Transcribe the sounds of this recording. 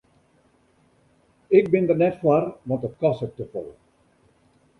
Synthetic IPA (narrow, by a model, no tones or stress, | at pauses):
ɪk̚bɪndərnɛtfwarʋɑntətkɔsət̚təfɔ̰lˠ